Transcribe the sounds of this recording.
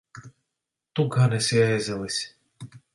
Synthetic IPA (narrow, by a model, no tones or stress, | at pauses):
t̪uɡanɛsʲɛːzʲɛlisʲ